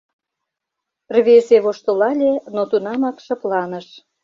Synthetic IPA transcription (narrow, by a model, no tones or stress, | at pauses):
rβeseβoʃt̪ŏlɑlʲenot̪unɑmɑkʃɤ̆plɑnə̆ʃ